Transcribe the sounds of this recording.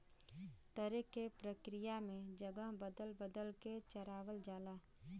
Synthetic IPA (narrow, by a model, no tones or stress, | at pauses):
t̪əɾekepɾəkɾɪjamẽd͡ʒəɡəɦbəd̪əlbəd̪əlket͡ʃəɾaːʋəld͡ʒaːlaː